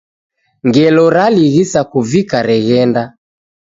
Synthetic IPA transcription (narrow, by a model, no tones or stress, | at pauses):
ŋɡɛlɔɾaliɣisakuvikaɾɛɣɛnda